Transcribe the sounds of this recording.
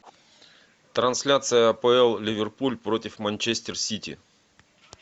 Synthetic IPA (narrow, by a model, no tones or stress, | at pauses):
t̪ɾɐnsʲlʲat̪sɨjəɐpəɛlˠlʲɪvʲɪrpulʲpɾotʲɪfmɐnʲt͡ɕesʲtʲɪrsʲitʲɪ̰